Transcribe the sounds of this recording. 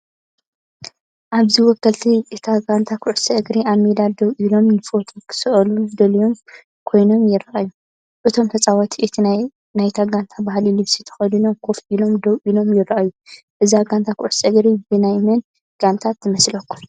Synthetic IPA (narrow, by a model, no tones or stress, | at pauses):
ʔaβziwɔkːɐlt̪ʰiʔɨt̪ʰaɡant̪ʰakʰʊʕusɡɾiʔaβmed̪ad̪ɐwʔilo̞mnɨfot̪ʰokʰɨ̥sɨʔɐlud̪ɐlijo̞m | kʰo̞jno̞mjɪɾaʔajːu | ʔɨt̪ʰo̞mt̪ʰɐt͡sʼawɔt̪ʰiʔɨt̪ʰi | najt̪ʰaɡant̪ʰabahlilɨβsit̪ʰɐ̥xɐlinomkʰo̞ft̪ilo̞md̪ɐwʔilo̞mjɪrːaʔaju | ʔɨziaɡant̪ʰakʰʊʕsɐɡɾibɨnajmɐn | ɡ̥ant̪ʰat̪ːɨmɐslɐkːu̥m